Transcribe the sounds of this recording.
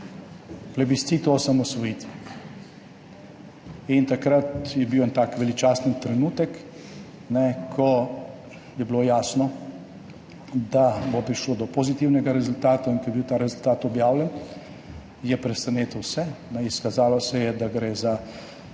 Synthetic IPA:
plɛbist̪sit̪osamɔsʋɔjit̪ʋɛ | int̪akɾat̪jɛbiwɛnt̪aːkʋɛlit͡ʃaːsnit̪ɾɛnuːt̪ək | nɛkʰːɔ | jɛbiloːjaːsnɔ | d̪abopɾiʃloːd̪ɔpozit̪iwnɛɡaɾɛzult̪aːt̪aiŋkɔjɛbiwt̪aːɾɛzult̪aːt̪ɔbjaːwlʲɛn | jɛpɾɛst̪aneːt̪əwsɛnɛiskazaːlɔsɛjɛd̪aɡɾeːza

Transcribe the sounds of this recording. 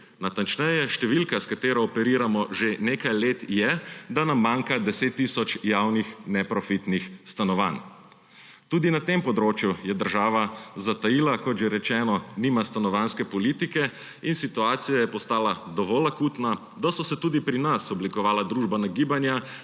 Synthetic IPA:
nat̪ant͡ʃnɛjɛʃt̪ɛʋilkaskat̪eːɾɔːpɛɾiːɾamɔʒeneːkajleːt̪jɛd̪anamːaːŋkad̪ɛseːt̪ːisɔt͡ʃjawnixnɛpɾɔfit̪nixst̪anɔʋa̰n | t̪uːd̪inat̪empɔd̪ɾoːt͡ʃjujɛd̪əɾʒaːʋazat̪ajilakɔt̪ʒɛɾɛt͡ʃɛːnɔniːmast̪anɔʋanskɛpɔlit̪ikɛ | insit̪uaːt̪sijajɛpɔst̪aːlad̪ɔʋɔːlakuːt̪na | d̪asɔsɛt̪uːd̪ipɾinasɔblikɔʋaːlad̪ɾuːʒbanaɡiːbanja

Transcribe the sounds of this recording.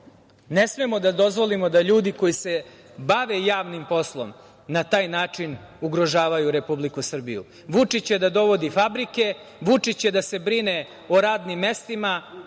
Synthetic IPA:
nesmemo̞d̪ad̪o̞zʋo̞limo̞d̪aʎuːd̪iko̞jise̞ | baʋe̞jaːʋnimpo̞slˠo̞̰m | nat̪aːjnaːt͡ʂin | uɡɾo̞ʒaːʋajuɾe̞publikusr̩bḭjṵ | ʋut͡ʂit͡ɕed̪ad̪o̞ʋo̞d̪ifabɾike̞ | ʋut͡ʂit͡ɕed̪ase̞bɾine̞ | oɾaːd̪nimːe̞st̪ima

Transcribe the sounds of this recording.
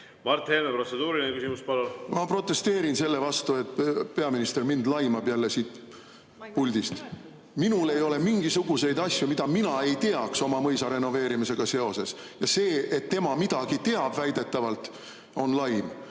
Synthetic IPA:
mɑrt̪heːmepro̞t̪sed̪uːɾinekysimuspɑlolmɑpro̞t̪ːˑe̞st̪e̞ːɾinse̞lːe̞vɑst̪ue̞t̪ˑpe̞ɑminist̪e̞rmind̪lɑjmɑb̥jælːe̞siːt̪ | pulʲd̪ist̪ | minule̞jo̞le̞miŋɡ̥isuɡ̥use̞jd̪ɑsʲjumid̪ɑminɑe̞jt̪e̞ɑkso̞mɑmɤjsɑɾe̞nːo̞ve̞ːɾimise̞ɡ̥ɑse̞o̞se̞s | jɑse̞ːet̪ːe̞mɑmid̪̥ɑɡ̥it̪e̞ɑb̥væjd̪̥e̞t̪ːˑɑvɑlt̪ˑ | o̞nlɑjn

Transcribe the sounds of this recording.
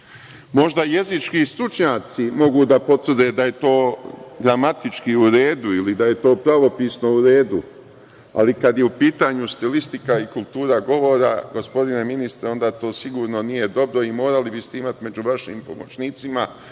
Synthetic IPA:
mo̞ʒd̪aje̞zit͡ʃkist̪ɾut͡ʃɲaːt̪simo̞ɡud̪apo̞t̪ʋr̩d̪e̞ːd̪aje̞t̪o̞ːɡɾamat̪it͡ʃkiuɾe̞ːd̪uilid̪aje̞t̪o̞ːpɾaʋo̞piːsno̞uɾe̞ːd̪u | a̰likad̪jeupiːt̪aːɲust̪ilist̪ikaikulˠt̪uːɾaɡo̞ʋo̞ɾaɡo̞spo̞d̪ine̞minist̪ɾeo̞nd̪aːt̪o̞ːsiɡuːɾno̞nije̞d̪o̞bɾo̞imo̞ːɾalibist̪eimat̪me̞d͡ʑuʋaʃiːmpo̞mo̞t͡ʃniːt̪sima

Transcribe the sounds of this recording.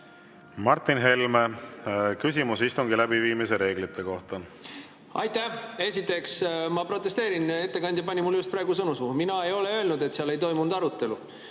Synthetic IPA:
mɑrt̪ːˑinɦe̞lme | kysʲimusist̪uŋɡilæbiviːmise̞ɾe̞ːɡlit̪ːe̞ko̞ht̪ɑ | ɑjt̪æhe̞sʲit̪ːˑe̞ksmɑpro̞t̪ːˑe̞st̪e̞ːɾine̞t̪ːe̞kɑnʲd̪jɑpɑnʲimulːjust̪pɾɑeːɡusɤnusuminɑejo̞le̞ø̞ːlnud̪e̞t̪seɑle̞jt̪o̞jmund̪ɑɾut̪ːˑe̞lu

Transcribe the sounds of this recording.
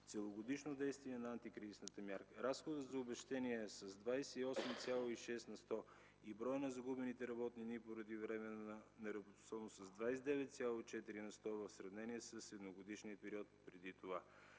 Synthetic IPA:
t̪sɛlˠoɡod̪iʃnod̪ɛjst̪viɛnɐant̪ikɾizisnət̪əmʲjaɾkəɾasxod̪ət̪zɐobɛʃt̪ɛniɛsɐzd̪vajsɛiɔsmt̪sʲjalˠoiʃɛst̪nɐst̪ɔ | ibɾɔjənɐzɐɡubɛnit̪ɛɾɐbɔt̪ninipoɾɐd̪ivɾɛmɛnnɐɾɐbot̪o̥sɔvnosɐzd̪vajsɛd̪ɛvɛt̪sʲjalˠoit͡ʃɛt̪iɾinɐst̪ɔvɐfsɾɐvnɛniɛsɐsɛd̪noɡod̪iʃniəpɛɾiɔt̪̚pɾɛd̪it̪ova

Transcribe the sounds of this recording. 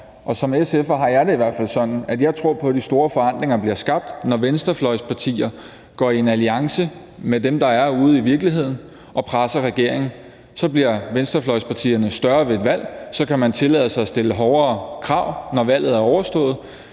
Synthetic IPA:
ʔɒ̽sɒ̽mesefɐɦɑ̈jɑ̈ɪɾeiʋæɐ̰fæl̰sɒ̽n̰n̩æd̥jɑ̈ɪt͡sʰʁo̝ɐ̰pʰɒ̽d̥isd̥o̝ːɐfɒ̽æn̰d̥leŋɐb̥liɐsɡ̥ɑ̈b̥̚d̥nɒʋensd̥ɐflɒ̽ɪ̰spʰɑ̈t͡sʰḭːɐ | ɡ̥ɒ̰ːie̝næliɑ̈ŋsə | med̥emd̥ɑ̈æɐuːð̞̩ˠiʋiɐɡ̥liɦe̝ð̞̰ˠn̩ | ʔɒ̽pʰʁasɐʁɛɡ̥e̝ɐ̰e̝ŋn̩ | sɒ̽b̥liɐʋensd̥ɐflɒ̽ɪspʰɑ̈t͡sʰḭːɐnəsd̥ɶɐʋe̝ed̥ʋæl̰sɒ̽kʰæmænt͡sʰe̝lɛðˠəsɑ̈ɪɒsd̥e̝ləɦɒʊɐːkʰʁɑ̈ʊ̰nɒʋæl̰ð̞̩ˠæɐɒʊɐsd̥ɔ̰̽ːð̩ˠ

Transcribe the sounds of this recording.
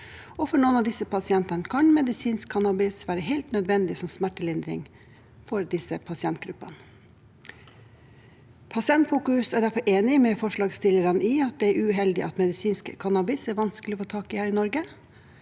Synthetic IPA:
ɔfɔɾɳɔːnɑd̪ɪsːəpɑsɪɛnt̪ɑnəkʰɑnmɛd̪ɪsiːnskkʰːɑnɑbɪsʋæːɾəɦɛɪlt̪nœd̪ʋɛnd̪ɪsɔmsmæʈːəlɪnd̪ɾɪ̰ŋ | fɔɾd̪ɪsəpʰɑsɪɛnt̪̚ɡɾʉ̰pːɑ̰nə | pʰɑsɪɛnt̪fuːkʉsæɖ̪æɾfɔɾʔeːnɪmɛfɔʂɭɑːɡst̪ɪlːəɾɑnɪɑt̪̚d̪ɛæɾʉɦɛld̪ɪ̰ʔɑt̪mɛd̪ɪsiːnskkʰɑnɑbɪsæɾʋɑnsklɪɔfoːt̪ʰɑːkɪhæːɾɪnɔɾɡə

